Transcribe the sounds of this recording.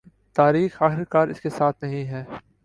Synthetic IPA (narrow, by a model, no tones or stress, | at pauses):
t̪aːɾiːxaːxɪɾkaːɾɪ̰skesaːt̪ʰnɐɦĩɦɛː